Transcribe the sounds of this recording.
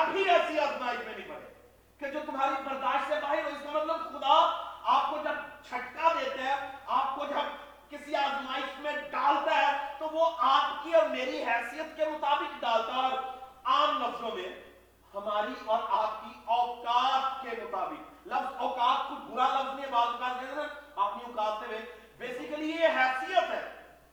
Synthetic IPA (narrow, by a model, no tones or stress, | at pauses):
ɐbʱiɛːsiaːd̪maːɪkmẽnɪĩpɐɽḛ | ked͡ʒoːt̪ʊmaːɾibɐɾd̪aːʃɛ̃baːɦɪɾoɪskemɐt̪ləbxʊd̪aaːp̚kod͡ʒɐb̚t͡ʃʰɐʈkad̪eːt̪eɦɛ̃aːp̚kod͡ʒɐb | kɪsiaːd̪maːɪkmẽɖaːlt̪aɦɛt̪oʋoʔaːpkiɔːɾmeːɾiɦɛːsijət̪kemʊt̪aːbɪkɖaːlt̪aɦɛaːmnɐslõmẽ | hɐmaːɾiʔɔːɾaːp̚kiɔːkaːt̪kemʊt̪aːbɪklɐfzɔːkaːt̪̚kobʱʊɾalɐbzniẽbaːt̪kɐɾd̪enãaːpniʊkaːt̪ebẽ | beːsɪkəlijeɦɛːsijət̪ɦɛː